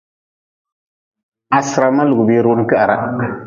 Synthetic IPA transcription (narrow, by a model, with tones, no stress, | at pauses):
a˨sɨ˨ɾa˨ma˦lu˨ɡʊ˨beː˦ɾo˦n˦kɨ˦ʔa˨ɾa̰˨